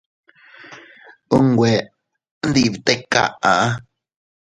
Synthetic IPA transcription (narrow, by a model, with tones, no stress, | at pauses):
u˦ŋɡʷe˨˦ | nd̪i˦˧˨βi˨t̪e˦ka̰˧ʔã˨ʔa˦